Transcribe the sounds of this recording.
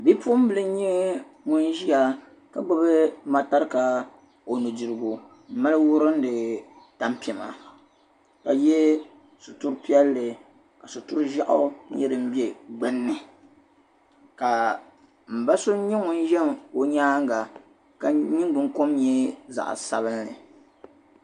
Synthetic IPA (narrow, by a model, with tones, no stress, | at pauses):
bi˦pu˦m̩˦bɨ˦lɨ˦ɲɛ˦ŋʊ˦nʒi˦a˨ | ka˨ɡ͡bɨ˦bɨ˦ma˨ta˦ɾka˨ | o˨nu˨dɨ˨ɾɨ˨ɡu˨ | m̩˦ma˦lɨ˦wʊ˦ɾɨ˦n̩˦dɨ˨ | ta˨˦mpi˨ɛ˨ma̰˨ | ka˨jɛ˦ | su˨tu˦ɾpi˦ɛ˦lːɨ˨ | ka˨su˨tʊ˦ɾʒa˦ʔʊ˦ɲɛ˦ɾɨ˨m̩˦bi˦e˦ɡ͡bɨ˦nːɨ˨ | ka˨ | m̩˨ba˦so˦ɲɛ˦ŋʊ˦n˦ʒɛ˦mo˨ɲaː˦ŋ˦ɡa˨ | ka˨ɲi˦ŋ˦ɡ͡bɨ˦ŋko˦mɲɛ˦za̰˨ʔsa˨βɨ˦nːɨ̰˨